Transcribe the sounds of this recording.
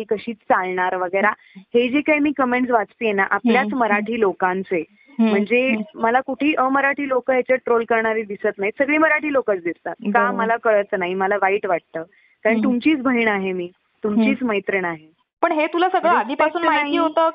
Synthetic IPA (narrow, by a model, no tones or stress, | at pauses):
ikəɕiːt͡st͡salɳaɾʋəɡəjɾa | hed͡ʑekaɦimiːkəmeɳʈsʋat͡st̪iːjenaʔapljat͡sməɾaʈʰiːlokãnt͡se | m̤əɳd͡zeməlakuʈʰiːʔəməɾaʈʰiːlokəɦat͡ɕəʈɾolkəɾɳaɾiːd̪isət̪naɦisəɡɭiːməɾaʈiːlokət͡sd̪ist̪akikaməlakəɭət͡snaɦiməlaʋaiːʈʋaʈ̚t̪əː | kaɾəɳt̪umt͡ɕiːt͡sbʱəɦiɳaɦemiː | t̪umt͡ɕiːt͡sməjt̪ɾəɳaɦe | pəɳɦet̪ulasəɡɭəad̪ʱipasuːnmaaɦiiːɦot̪əː